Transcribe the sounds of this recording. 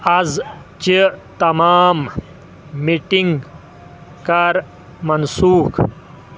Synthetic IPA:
ɐz | t͡ʃit̪ɐmaːmː | iʈiŋɡ | kɐɾ | mɐnsuːk

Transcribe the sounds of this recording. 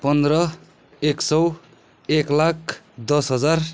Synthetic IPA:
pʌnd̪ɾʌ | eksʌw | eklakʰ | d̪ʌsɦʌd͡zar

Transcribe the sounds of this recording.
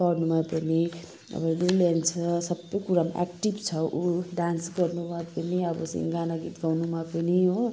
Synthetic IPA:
ɡʌrnumapʌni | ʌ̰bʌlulant͡sʰʌsʌbːʌjkuɾamʔa̰kʈibt͡sʰʌʔuɖansɡʌrnumapʌniʌbʌ̰sʌ̰̃jɡanaɡit̪ɡawnumapʌniɦo

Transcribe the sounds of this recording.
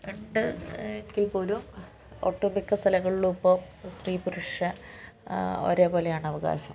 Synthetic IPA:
eɳɖɨekːilpoːlum | o̰ːʈːoːbikːɐst̪ʰɐlɐɣɐɭiɭupːoːmst̪riːpuɾuʂɐ | o̞̰ːɾe̞ːbo̞ːle̞jaːɳɨɐʋɐɣa̰ːɕɐm

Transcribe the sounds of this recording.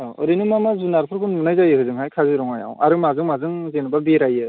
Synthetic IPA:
ɯ̰ɾinɯmamazunaɾpʰɯɾkʰunmunajzajɯkʰɯzɯŋɦajkʰazɯɾɔŋaja̰wa̰ɾɯmazɯŋmazɯŋzenɯbabeɾajɯ

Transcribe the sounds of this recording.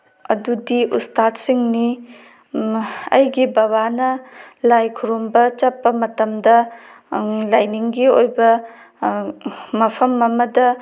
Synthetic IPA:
ɐ̰dudiʔutstat̚siŋni | ɐ̰jɡibɐβanɐlajkʰuɾombɐt͡ʃɐpːɐmɐtɐmdɐ | lajniŋɡiojbɐ | mɐpʰɐmɐmɐdɐ

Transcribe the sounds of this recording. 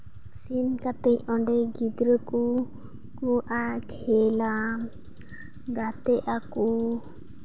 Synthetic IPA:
sinkat̪ɛjɔɖɛɡid̪ɾəku | kɔʔakʰɛla | ɡat̪ɛʔaku

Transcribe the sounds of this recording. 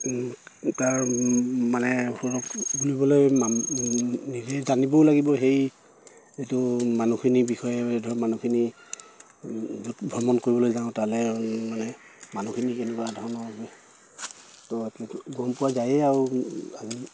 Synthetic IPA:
taɹ | manɛxɔɹɔkɡulibɔlojma | nizɛzanibɔlaɡibɔɦej | etumanukʰinibixɔjɛdʱɔɹmanukʰini | butbʱɹɔmɔnkoɹibɔlojzaʊ̃talɛmanɛ | manukʰinikɛnɛkwadʱɔnɔɔɡi | tɔɡɔmpʊwazajɛaɹuazi

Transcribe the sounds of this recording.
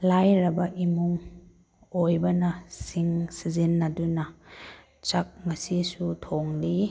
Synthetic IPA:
lajɾɐbɐʔimuŋ | ojbɐnɐsiŋsizinːɐdunɐ | t͡ʃɐk̚mɐsisutʰoŋli

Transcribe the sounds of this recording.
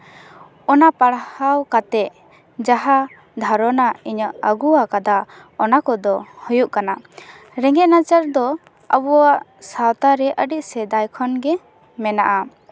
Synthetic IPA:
ɔnapaɽhawkat̪ɛʔ | d͡ʒaɦa | d̪ʱaɾɔnaiɲəʔəɡuwakad̪a | ɔnakɔd̪ɔhɔjuʔkana | ɾɛŋɡɛʔ̚nat͡ʃəɾd̪ɔ | əbɔwaʔsawt̪aɾɛʔəɖiʔ̚sɛd̪ajkʰɔnɡɛ | mɛnaʔa

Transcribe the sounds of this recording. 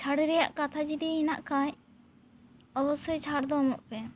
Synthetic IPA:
t͡ʃʰaɽɛɾɛja̰ʔkat̪ʰad͡ʒid̪iinaʔkaɲ | ɔbɔsɔjt͡ʃʰaɽd̪ɔmɔʔpɛ

